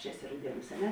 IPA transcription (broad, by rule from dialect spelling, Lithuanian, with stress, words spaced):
t͡ʃʲɛ ˈæːˌsʲɪ rɐʊˈdʲiɛˌnuːs ɐ ˈnʲɛ